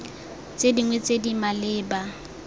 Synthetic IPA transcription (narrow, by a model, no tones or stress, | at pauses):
t͡sʼediŋwɛt͡sʼedimalɪːba